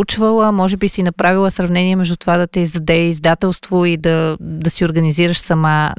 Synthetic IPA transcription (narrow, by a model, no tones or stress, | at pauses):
ut͡ʃvəlˠəmɔʒɛbisinɐpɾavilˠəsɾɐvnɛniɛmɛʒd̪ut̪ovad̪ɐt̪ɛizd̪ɐd̪ɛizd̪at̪ɛlˠst̪void̪ɐd̪ɐsiʊɾɡɐniziɾəʃsɐma